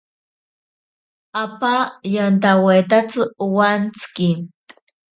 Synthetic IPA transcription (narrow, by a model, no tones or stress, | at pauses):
apajant̪awet̪at͡sɨwant͡skin